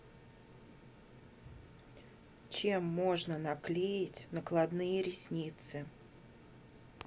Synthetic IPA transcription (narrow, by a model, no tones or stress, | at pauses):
t͡ɕemːo̞ʐnənɐklʲejɪtʲnəklˠɐd̪nɨjəɾʲɪsʲnʲit̪sɨ